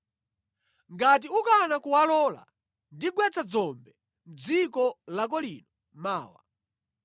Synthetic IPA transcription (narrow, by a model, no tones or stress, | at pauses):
ŋɡat̬iukanakuwalɔːla̰ | ndiɡwɛt͡sad͡zɔmbɛ | m̩d͡zikɔlak̬ɔliːnɔ | maːwa̰